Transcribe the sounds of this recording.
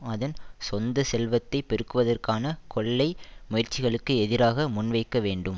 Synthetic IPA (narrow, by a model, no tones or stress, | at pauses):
ɐðɐnsɔnd̪ɐsɛlʋɐt̪ːɐɪpːɛɾɯkːɯʋɐðɐrkaːnɐkʰɔɭːɐɪmʊjɐɾt͡ʃːɪɣɐɭɯkːɯɛðɪɾaːɣɐmʊnʋɐɪkːɐʋeːɳɖɯm